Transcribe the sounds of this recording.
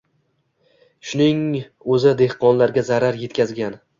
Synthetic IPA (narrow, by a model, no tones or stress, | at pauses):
ʃʊnɪŋ | ɵzɪd̪e̞hqɒnlaɾɡʲazaɾaɾje̞t̪kʲʰazɡʲan